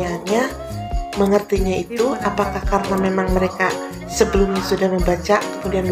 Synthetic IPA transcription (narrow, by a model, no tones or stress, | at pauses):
anɲa | məŋərt̪iɲait̪uapakahkaɾənamemaŋməɾeka | səbəlʊmasudahməmbat͡ʃakəmudian